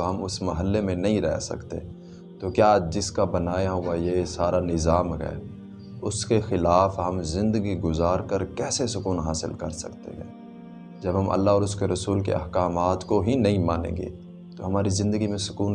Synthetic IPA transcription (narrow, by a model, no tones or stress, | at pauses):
oɦɐmʊsmɐɦəlːemẽnɐɦĩɾɛ̰ɦsɐ̰kt̪ḛ | t̪okjaːd͡ʒɪskabɐnaːjaɦʊajesaːɾanɪzaːmɦɛ̰ː | ʊskexɪlaːfɦɐmzɪ̃nd̪əɡiɡʊzaːɾkəɾkɛːsesʊkuːnɦaːsɪ̰lkɐɾsɐ̰kt̪ḛɦɛ̃ː | d͡ʒɐbɦɐmʔɐ̰lːaɦɔːɾʊskeɾɐsuːlkḛɐ̰hkaːmaːt̪koɦinɐɦĩmaːnḛ̃ːɡḛː | t̪oɦɐmaːɾizɪ̃nd̪əɡimẽsʊ̥kuːn